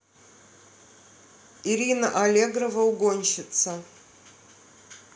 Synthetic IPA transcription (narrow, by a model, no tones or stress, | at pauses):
iɾʲinəʔɐlʲeɡɾəvəʊɡo̞nʲɕɪt̪sə